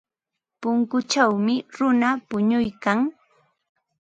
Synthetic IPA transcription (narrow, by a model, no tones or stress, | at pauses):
pʊŋkʊt͡ʃawmɪɾʊnapʊɲʊjkaŋ